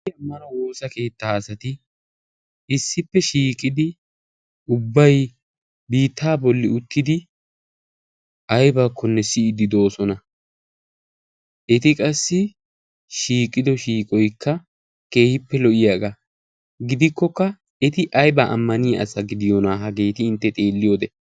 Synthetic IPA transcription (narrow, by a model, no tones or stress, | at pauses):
ɐmːɐnɐwo̞ːsɐke̞ːt̪ːaːɐsɐt̪ɪ | ɪsːɪpːɛʃiːkʼːɪd̪ɪ | ʊbːɐj | biːt̪ːaːbɔlːɪʊt̪ːɪd̪ɪ | ʔɐjbakʰːɔnːɛsɪɪd̪ɪd̪oːsɔnɐ | ɛt̪ɪkʼɐsːɪ | ʃiːkʼːɪd̪ɔʃiːkʼɔjkːɐ | ke̞ːhɪpːɛlɔʔɪjaːɡa | ɡɪd̪ɪkːɔkːɐ | ɛt̪ɪʔɐjbaʔɐ̰mːɐnɪjaɐ̰sɐɡɪd̪ɪjonaːɦɐɡe̞ːt̪ɪɪnt̪ːɛt̪ʼe̞ːlːɪjo̞ːd̪ɛ